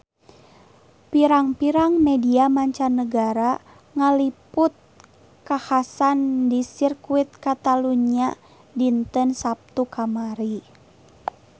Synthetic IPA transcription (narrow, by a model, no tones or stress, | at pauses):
piɾaŋpiɾaŋmɛdiamaɲt͡ʃanːəɡaɾa | ŋaliput̪̚ | kahasandisirkuit̪̚kat̪aluɲia | dint̪ənsap̚t̪ukamaɾi